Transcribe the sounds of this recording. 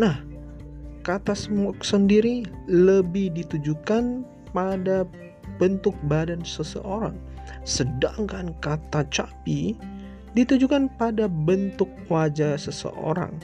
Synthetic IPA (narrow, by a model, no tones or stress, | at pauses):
nah | kat̪asəmɔksəndiɾiləbɪhdit̪ud͡ʒukan | pada | bənt̪ʊk̚badansəsə̰ʔoɾa̰ŋ | sədaŋkankat̪at͡ʃapi | dit̪ud͡ʒukanpadabənt̪ʊkːəwad͡ʒasəsə̰ʔo̰ɾa̰ŋ